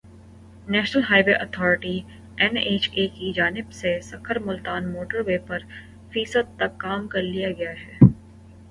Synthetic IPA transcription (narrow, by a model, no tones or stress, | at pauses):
nɛːʃnəlɦaːɪʋeʔɐt̪ʰɔːɾɪʈi | ɛneːt͡ʃeːkid͡ʒaːnɪbsesɐkʰəɾmʊlt̪aːnmoːʈəɾweːpɐɾ | fiːsəd̪̚t̪ɐkːaːmkɐɾlijaɡɐjaɦɛː